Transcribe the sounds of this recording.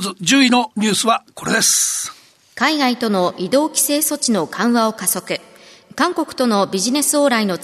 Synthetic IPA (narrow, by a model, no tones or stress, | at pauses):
zɨd͡ʑɨːino̞ɲ̟ɨːsɨβako̞ɾed̪esɨ̥ | kaiɡait̪o̞no̞ʔid̪o̞ːkʲi̥se̞ːso̞t͡ɕino̞kãɰ̃βao̞kaso̞kɯ̟ | kãŋko̞kɯ̟̥t̪o̞no̞bʲiʑine̞sɨoːɾaino̞